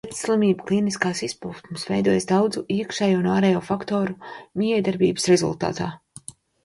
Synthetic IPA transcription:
ɛt̪slˠimiːbuklˠiːniskaːsispuːsumsvɛjd̪uɔjsd̪awd̪zuʔiɛkʃɛjuunaːɾɛːjuːfakt̪ɔːɾumʲijɛjd̪aɾbiːbsɾɛzṵlˠt̪a̰ːt̪a̰ː

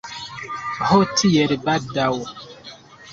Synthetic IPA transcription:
hɔtʰijɛɾibadawɔ

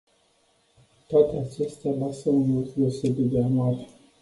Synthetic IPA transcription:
t̪oat̪eat͡ʃe̞st̪ealasəunut̪d̪eosebid̪eanuarʲ

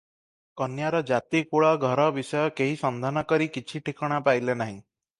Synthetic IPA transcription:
kɔnjaɾɔd͡ʒat̪ikuɭɔɡʱɔɾɔbisɔjɔkeɦisɔnd̪ʱanɔkɔɾikit͡ʃʰiʈikʰɔɽ̃apajlenaɦĩ

